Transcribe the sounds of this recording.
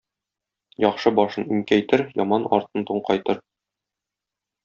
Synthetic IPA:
jɒqʃɤbɒʃɤniŋkæjt̪ɘɾjɒ̰mɑnɒ̰ɾt̪ɤnt̪uɴqɑjt̪ɤɾ

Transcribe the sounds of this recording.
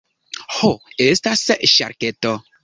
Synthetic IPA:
hoestasʃa̰ɾketo

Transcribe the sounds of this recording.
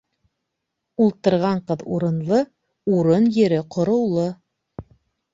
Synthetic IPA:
ulˠt̪ɤ̆ɾʁɑɴqɤðuɾɤ̆nlˠɤ | uɾonjɘ̆ɾɘqŏɾɤ̆wlˠɤ

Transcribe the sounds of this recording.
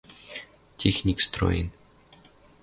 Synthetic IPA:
tʲexnʲikst̪ɾo̰jɪ̰n

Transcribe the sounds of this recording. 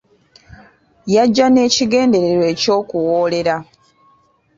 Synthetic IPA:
jaɟːane̞ːciɡe̞ːnde̞ɾeɾwe̞ːco̞ːkuwoːle̞ɾa

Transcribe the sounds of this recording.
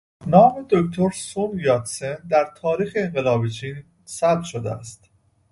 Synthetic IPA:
nɒːme̞d̪okt̪ʰo̞ɾsonjɒːt̪send̪æɾt̪ʰɒːɾiːxeːŋɢelɒːbet͡ʃʰiːn | sæb̚t̪ʃod̪ḛæst̪

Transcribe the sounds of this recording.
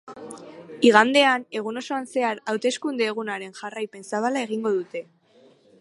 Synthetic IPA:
iɣ̞and̪e̞ane̞ɣ̞uno̞so̞anse̞aɾawt̪e̞skund̪e̞ːɣ̞unaɾe̞nʝarajpe̞nsaβalae̞ɣiŋɡo̞ðut̪e̞

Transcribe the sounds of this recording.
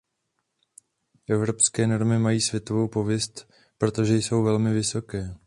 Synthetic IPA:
ʔɛvɾo̞pskɛːno̞ɾmɪmajiːsvjɛt̪o̞vo̞wpo̞vjɛst̪ | pɾo̞t̪o̞ʒɛjso̞wvɛlmɪvɪso̞kɛː

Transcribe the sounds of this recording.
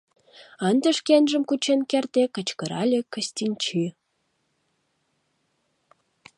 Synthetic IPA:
ənd̪ə̆ʃkenʒə̆mkut͡ɕenkert̪ekə̆t͡ɕkə̆ɾɑlʲekə̆st̪ʲinʲt͡ɕi

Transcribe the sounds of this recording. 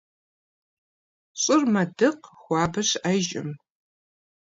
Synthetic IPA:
ɕʼʊrmɐdɨqxʷɑːbɐʂʔɐʒɪ̰m

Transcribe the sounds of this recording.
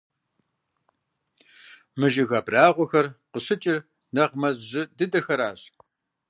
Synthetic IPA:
mɨʒɪɣɐbraːʁʷɔxɐrqəɕɨt͡ʃʼɪr | nɐʁmɐzʑɪdɨdɐxɐɾaːɕ

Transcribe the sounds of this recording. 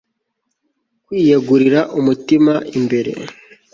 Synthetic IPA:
kwiːjeɡuɾiɾaʔumutimaimbe̞ɾe̞̰

